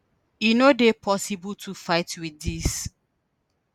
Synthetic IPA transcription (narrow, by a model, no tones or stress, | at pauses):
inodepʰɔsibɔltʰufaɪtwiis